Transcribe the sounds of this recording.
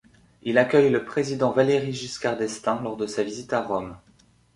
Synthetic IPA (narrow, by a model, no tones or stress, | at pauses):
ilakʲœjləpχezid̪ɑ̃valeʁiʒyskʲaʁd̪ɛst̪ɛ̃lɔʁd̪əsavizit̪aʁɔm